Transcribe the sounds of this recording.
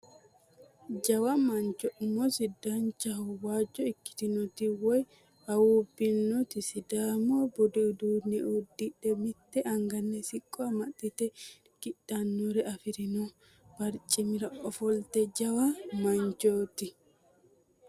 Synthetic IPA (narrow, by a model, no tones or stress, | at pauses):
d͡ʒɐwɐmɐnt͡ʃɔʔmːɔsɪd̪ant͡ʃːɐhʊwaːd͡ʒːɔɪkːɪ̥t̪ɪnɔt̪ɪwɔj | ɐwuːbːɪnːɔt̪ɪsɪd̪aːmoːbɔd̪ɪd̪uːnɛʔud̪ːɪᶑɛmɪt̪ːɛʔɐŋɡɐnːɛsɪkʼːɔɐmɐt̪ːɪt̪ɛ | ɡ̥ɪᶑɐnːoɾɛɐfɪɾɪno | b̥ɐɾt͡ʃʼːɪmɪɾɐʔɔfɔlt̪ɛd͡ʒɐwɐmɐnt͡ʃoːt̪ɪ